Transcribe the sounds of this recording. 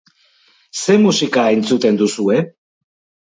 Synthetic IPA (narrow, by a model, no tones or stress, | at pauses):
semusikaejnt͡sut̪e̞nd̪usue